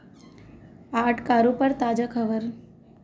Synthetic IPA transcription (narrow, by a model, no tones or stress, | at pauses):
aːʈʰkaːɾũpəɾt̪aːd͡ʒakʰəʋəɾ